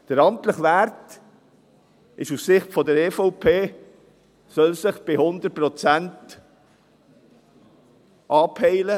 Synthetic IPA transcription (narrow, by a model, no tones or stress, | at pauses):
d̥əɾɑmtləχʋæɾt | ɪʃussɪχtfɔdəɾeːfɔʊpʰeː | sœlsɪχb̥ɪhʊnd̪ət̚pɾɔt͡sænt | ʔɑːpʰɛɪlə